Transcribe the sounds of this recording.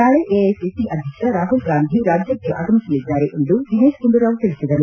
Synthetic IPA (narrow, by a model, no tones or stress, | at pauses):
aːɭeʔeːesesiʔɐd̪ʱjɐkʂɐɾaːɦulɡaːnd̪ʱiɾaːd͡ʒjɐkːeʔa̰ːɡɐmisɐlːid̪ːaːɾeʔend̪ud͡ʒineːʂɡuɳɖuɾaːʋt̪ilisid̪ɐɾu